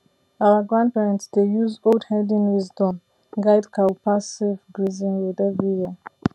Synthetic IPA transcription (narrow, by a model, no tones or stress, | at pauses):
awəɡɹãndpɛɹɛ̃ntsdejuzoldhɛdĩnwizdɔ̃m | ɡaɪdkʰawpʰasivɡɹizĩnwiðɛvɹija